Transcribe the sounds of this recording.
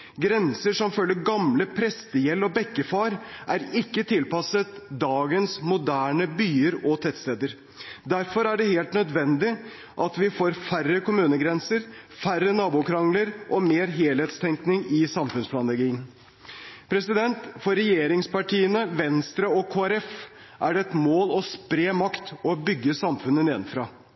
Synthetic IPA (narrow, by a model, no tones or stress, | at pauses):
ɡɾɛnsəʂɔmfœlːəɾɡɑmləpʰɾɛst̪əjɛlːɔbɛkːəfɑːɾʔæɾɪkːət̪ʰɪlpɑsət̪d̪ɑːɡənsmʊd̪æːɳəbyːəɾɔt̪ʰɛt̪st̪eːd̪əɾ | d̪æɾfɔɾæɖɛheːlt̪nœd̪ʋɛnd̪ɪ | ʔɑt̪ʋɪfoːɾfærəkʊmʉːnəɡɾɛnsəɾfærːənɑːbuːkʰɾɑŋləɾʔɔmeːɾɦeːlheːt̪st̪ʰɛŋknɪŋɪsɑmfʉnspʰlɑːnlɛɡiːn | pʰɾɛsɪd̪ɛnt̪fɔɾɛjeːɾɪŋspɑʈiːənəʋɛnst̪ɾəɔkʰoːæɾɛf | ʔæɖɛɛt̪moːlɔspɾeːmɑkt̪ɔbʏɡːəsɑmfʉnːənɛnfɾɑː